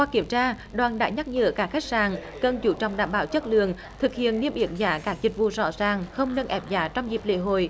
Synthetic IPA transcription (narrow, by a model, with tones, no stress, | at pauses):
waː˧˩kːi˧˩əmt͡ɕaː˧ | ɗwaː˨˩nɗa̰ː˧˥ɲa˦˥t̚ɲə̰ː˧˨˦kaː˦˥kxa˦˥jk̚saː˨˩ŋ | kə˨˩nt͡ɕu˨˦t͡ɕɔ̰˨˧˩wŋ͡mɗaː˧˩mɓaː˧˨˦wt͡ɕə˦˥t̚lɨ̰˧˨əŋ | t̪ʰɨ˨˩k̚hḭ˧˨ənːi˧əmʔi˧˩əmzaː˨˦kaː˦˥k̚zï˨˩k̟̚vṵ˧˨zɔ̰˧˥zaː˨˩ŋxə˧wŋ͡mnə˧nʔɛ˨˦˩p̚zaː˨˦t͡ɕɔ˧wŋ͡mzi˨˩p̚lḛ˧˥ɦo̰˧˨j